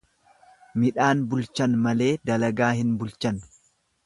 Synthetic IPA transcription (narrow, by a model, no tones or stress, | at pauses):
mɪᶑaːnbʊlt͡ʃɐnmɐle̞ːd̪ɐlɐɡaːhɪnbʊlt͡ʃɐn